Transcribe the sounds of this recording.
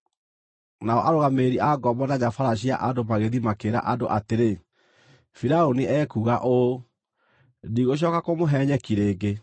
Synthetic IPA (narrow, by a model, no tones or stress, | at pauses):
naɔ̰ʔaɾoɣameːɾiʔaɡɔmbɔnaɲafaɾaɕ̬ia̰ʔadomaɣeðimakeɾa̰ʔadoʔateɾe | fiɾaoniʔɛːkuɣaʔo | diɣoɕ̬ɔkakomoɦɛɲɛkiɾeːɡe